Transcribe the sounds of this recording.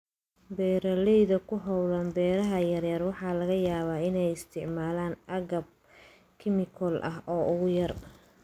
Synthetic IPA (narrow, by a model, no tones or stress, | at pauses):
bɛːɾɐlɛjðɐkʰʊɦɔwðɐmbɛːɾɐɦɐjɐrjɐrwɑħɑːlɐɣɐjaːβaːɪnɛjɪst̪ʰɪʕmaːlaːnʔɐɣɐb̚ | kʰɪmɪkʰɔlʔɐɦʔɔːʔʊɣʊjɐr